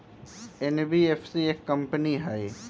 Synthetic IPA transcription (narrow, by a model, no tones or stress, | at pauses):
enbiefʰsiekːɐmpəniɦae